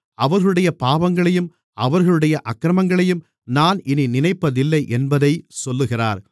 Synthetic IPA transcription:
ɐʋɐɾɣɐɭɯɽɐjɐpaːʋɐŋɡɐɭɐjɯm | ʔɐʋɐɾɣɐɭɯɽɐjɐʔɐkːɾɐmɐŋɡɐɭɐjɯm | naːnɪninɪnɐɪpːɐðɪlːɐɪʔɛnbɐðɐɪsɔlːɯɣɪra̰ːɾ

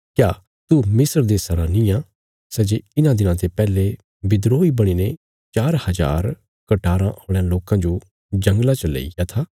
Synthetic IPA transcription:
kjaː | t̪umɪsəɾd̪esɐɾanĩjã | sɛːd͡ʒeɪnãd̪ɪnãt̪epɛːle | bɪd̪ɾoːibɐɽ̃ine | t͡ʃaːɾhɐd͡ʒa̰ːɾ | kɐʈaːɾãʔoːɽ̃ãloːkãd͡ʒo | d͡ʒɐ̃ŋɡlat͡ʃəlḛijat̪ʰaː

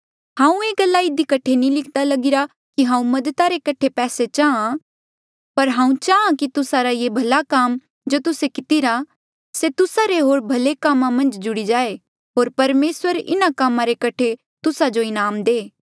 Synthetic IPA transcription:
hãːũeːɡɐlːaɪd̪ikɐʈʰenĩlɪkʰd̪alɐɡɪɾa | kiɦãːũmɐd̪ət̪aɾekɐʈʰepɛːset͡ʃaã | pɐɾɦãːũt͡ʃaːãkit̪ʊsaɾajebʱɐlakaːm | d͡ʒoːt̪ʊsekɪt̪iɾa | set̪ʊsaɾeɦoːɾbʱɐlekamːãmɐ̃nd͡ʒd͡ʒʊɽid͡ʒaːe | ɦoːɾpɐɾmeːswəɾɪ̰nakamãɾekɐʈʰe | t̪ʊsad͡ʒoɪnaːmd̪eː

